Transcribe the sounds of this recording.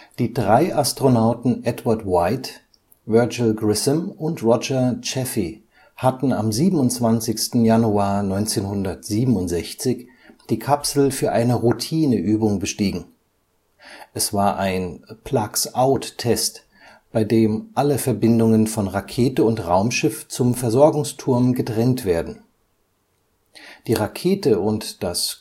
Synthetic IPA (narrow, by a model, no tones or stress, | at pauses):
d̥iːdʁaɪʔastʁ̥onaʊtn̩ʔɛtvaɐtwaɪt | vœɐd͡ʒlɡʁɪsəmʊntʁɔd͡ʒɐt͡ʃɛfi | hatn̩amziːbm̩ʊnt͡sv̥ant͡sɪçstn̩januaːɐnɔʏnt͡seːnhʊndɐtz̥iːbm̩ʊntz̥ɛçt͡sɪç | d̥iːkʰapsl̩fyːɐʔaɪnəʁutʰiːnəʔyːbʊŋbəʃtiːɡŋ̩ | ʔɛsv̥aːɐʔaɪnpʰl̥aksaʊtʰːɛst | b̥aɪdeːmʔaləfɛɐbɪndʊŋənfɔnʁakʰeːtəʊntʁaʊmʃɪft͡sʊmfɛɐzɔɐɡʊŋstʰʊɐmɡətʁ̥ɛntv̥eːɐdn̩ | d̥iːʁakʰeːtəʊntd̥as